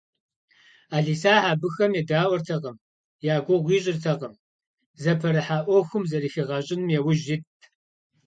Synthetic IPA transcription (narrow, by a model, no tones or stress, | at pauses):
aːɮiːsaːħaːbɨxɐmjɛdaːwɔrtʰɐʁɐm | jaːɡʷʊʁʷiːɕʼɪrtʰɐqɐm | zɐpʰɐɾɐħaːʔʷɔxʷɨmzɐɾixiʁɐɕʼɪnmjɛwʊʒɪtʰ